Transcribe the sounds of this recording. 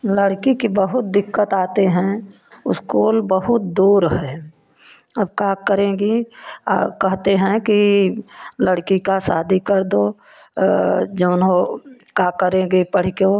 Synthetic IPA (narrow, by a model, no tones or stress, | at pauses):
ləɽkikibəɦʊt̪̚d̪ɪkːət̪aːt̪eɦɛ̃ | ʊ̰skuːlbəɦʊt̪̚d̪uːɾɦɛ | əbkakəɾẽːɡḭ | kəɦt̪eɦɛ̃ki | ləɽkikasaːd̪ʱikəɾd̪o | d͡ʒəʊnɦokakəɾẽːɡipəɽ̤ko